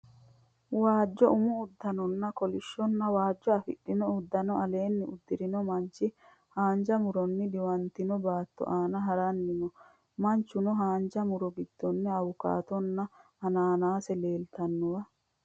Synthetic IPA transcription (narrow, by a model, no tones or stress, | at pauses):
waːd͡ʒːɔʊmʊːd̪ːɐnɔnːɐkɔlɪʃːɔnːɐwaːd͡ʒːɔɐfɪ̰ɗːɪnɔʊd̪ːɐnɔɐle̞ːnːɪʊd̪ːɪɾɪnɔmɐnt͡ʃːɪ | haːɲd͡ʒɐmʊɾɔnːɪd̪ɪwɐnt̪ɪnɔbaːt̪ːɔ̰ʔaːnɐɦɐɾɐnːɪnɔ | mɐnt͡ʃːʊnɔɦaːnd͡ʒɐmʊɾɔɡɪd̪̥ːɔnːɛɐwʊka̰ːt̪ɔnːɐ | ɐnaːnaːsɛle̞ːlt̪ɐnːʊwɐ